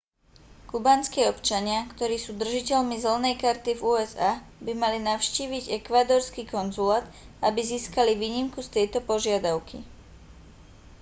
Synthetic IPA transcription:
kubaːnskiːɔpt͡ʃaɲɪakt̪ɔɾiːsuːd̪r̩ʒicɛlmizɛl̩nɛjkaɾt̪ivuːɛzaːbimalinaʊʃciːʋiɟɛkʋaːd̪ɔːɾskiːkɔnzulaːd̪abiziːskaliʋiːɲimkust̪ɛjt̪ɔpɔʒɪad̪aʊkʰḭ

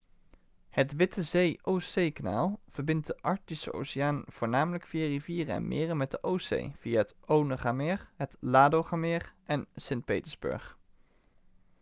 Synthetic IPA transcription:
hətʋɪtəzejowsejkana̰ːlˠv̥əɹbɪnt̚dəʔɑɹtisəʔo̰wsijaːnv̥ʊːɹnaːmələkfijariviːrənɛ̰nmʔɪ̰ːrəmɛt̚dəʔowsḛjv̥ijaɦətownəχamɪːɹɦətlaːdowχamɪːrʔɛnsɪnt̚pḛjtəɹzbø̰ɹχ

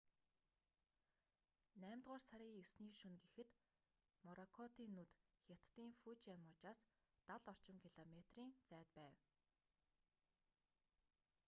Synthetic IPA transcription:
næːmt̪ʁʊːrsaɾʲiːjɵwsniːʃɵnɡexɘ̆t̪ | mɔɾɔkʰɔt̪iːnːut̪xʲat̪ːiːŋfut͡ɕjamʊːt͡ɕaːs | t̪aɮɔr̥t͡ɕɪ̆ŋkʰiɮɔmet̪riːnt͡sæːt̪pæːw

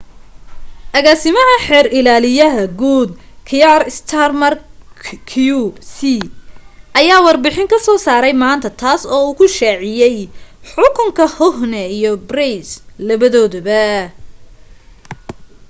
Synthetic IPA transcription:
ʔɐɣaːsɪmɐɦɐħɛːɾɪlaːlɪjɐɦɐɡuːd̪̚ | kʰɪjarst̪ʰarmɐrkʰusi | ʔɐjaːwɑrbɪħɪŋkʰɐsɔːsaːɾɛjmaːnt̪ʰɐt̪ʰaːsɔːuːkʰʊʃaːʕɪjɛjħʊkʰʊŋkʰɐhɔhnɛijɔbrɛjslɐβɐðɔːðɐβɐ

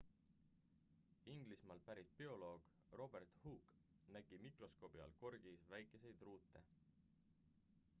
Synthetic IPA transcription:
iŋɡ̥lismɑːlpæɾit̪̚pio̞lo̞ːɡ̥ | ro̞be̞rt̪huːk | næɡ̥imikro̞sko̞ːb̥iɑ̰lko̞rɡ̥isvæjkːˑe̞se̞jd̪ruːt̪ːˑe̞̰

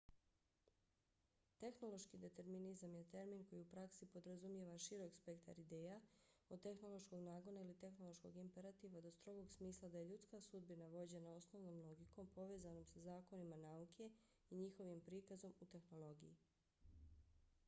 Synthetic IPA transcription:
t̪e̞xno̞lo̞ʃkid̪e̞t̪e̞ɾminizamjet̪e̞ɾminko̞jiupɾaksipo̞d̪ɾazumje̞ʋaʃiɾo̞kspe̞kt̪a̰ɾid̪e̞ːjaodt̪e̞xno̞lˠo̞ʃko̞ɡnaːɡo̞nailit̪e̞xno̞lo̞ʃko̞ɡimpe̞ɾat̪iːʋad̪o̞st̪ɾo̞ɡo̞ɡsmiːslˠad̪aje̞ʎut̪skasud̪̚binaʋo̞d͡ʑe̞nao̞sno̞ʋno̞ːmlˠo̞ɡiko̞mpo̞ʋe̞ːzano̞msazaːko̞nimanaukʰe̞ | iɲixo̞ʋimpɾikazo̞mut̪e̞xno̞lo̞ɡiji

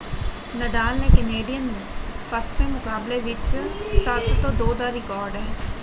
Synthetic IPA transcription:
nəɖaːlnẽːkəneːɖijənũːpʰəsʋeːmʊkaːbleʋɪt͡ʃsət̪ːõːd̪oːd̪aːɾɪkɔːɾɖɦɛː

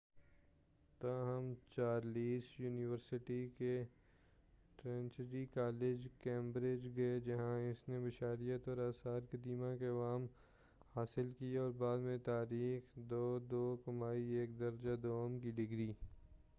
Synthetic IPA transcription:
t̪aɦəmt͡ʃaːɾliːsjuːnɪʋəɾsɪʈike | ʈɾɛ̃ːnt͡ʃəɖikaːlɪd͡ʒkẽːmbɾɪd͡ʒɡɐed͡ʒɐɦãɪsnebɪʃaːɾijət̪ɔːɾaːsaːɾkɐd̪iːmãkeɐʋaːm | haːsɪlkiɔːɾbaːd̪mẽt̪aːɾiːxd̪oːd̪oːkɐmaːieːk̚d̪ɐɾd͡ʒad̪oːmk̬iɖɪɡɾiː

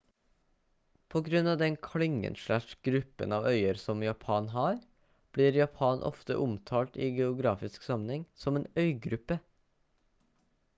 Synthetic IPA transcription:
pʰoːɡɾʉnɑːd̪ɛnkʰlɪŋə̰nʃɭæʂɡ̥ɾʉpːə̰nɑːʋœʏəɾsɔmjɑpʰɑːnɦɑːɾ | b̥liːɾjɑpʰɑːnʔɔ̰ft̪ə̰ʔʊmt̪ʰɑːlt̪iːɡɛʊɡɾɑːfɪsksɑmənhɛŋsɔmeːnœʏɡɾʉpə

